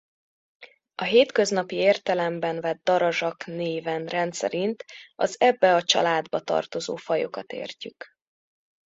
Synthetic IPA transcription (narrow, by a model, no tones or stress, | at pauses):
ɒɦeːt̪kø̞znɒpieːrt̪ɛlɛmbɛnvɛd̪̚ːɒɾɒʒɒkneːvɛnrɛnt̪sɛ̰ɾint̪ɒzɛbːɛɒt͡ʃɒ̰laːd̪bɒt̪ɒ̰rt̪o̞zo̰ːfɒjo̞kɒt̪ḛːrcyk